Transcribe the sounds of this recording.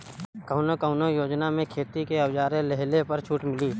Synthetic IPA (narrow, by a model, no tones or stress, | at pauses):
kəʊnokəʊnojoːd͡ʒnamẽkʰeːt̪ikeɐwd͡ʒaːɾelɛɦlepɐɾt͡ʃʰuːʈmɪliː